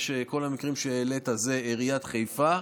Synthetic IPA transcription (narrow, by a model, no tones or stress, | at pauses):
ʃeko̞lamikʁimʃeelet̪aze̞ːʁijat̪χejfa